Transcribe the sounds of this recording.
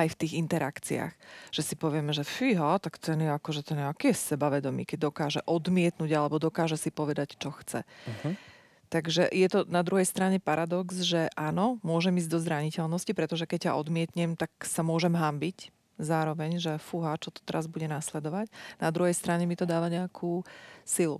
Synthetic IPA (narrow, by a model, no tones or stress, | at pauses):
ajft̪iːɣint̪ɛɾakt͡sḭa̰xʒ̥ɛsipɔʋɪɛmɛʒɛfiɦat̪akt̪ɛnjɛakɔʒɛt̪ɛnjɛakiɛsɛbaʋɛd̪ɔmḭːkɛɟ̚d̪ɔkaːʒɛʔɔd̪mɪɛt̪nuɟalɛbɔd̪ɔkaːʒɛsipɔʋɛd̪act͡ʃɔxt͡sɛ̰ | t̪aɡʒɛjɛt̪ɔnad̪ɾuɦɛjst̪ɾaɲɛpaɾad̪ɔkzʒɛʔaːnɔmʊɔʒɛmiːzɟd̪ɔzɾaɲicɛlnɔscipɾɛt̪ɔʒɛkɛc̚ːaʔɔd̪mɪɛt̪ɲɛmt̪aksamʊɔʒɛmɦambic | zaːɾɔʋɛɲʒɛfuɦaːt͡ʃɔt̪ɔ̥t̪ɛɾazbuɟɛnaːslɛd̪ɔʋacnad̪ɾuɦɛjst̪ɾaɲɛmit̪ɔd̪aːʋaɲɛakʰuːsilṵ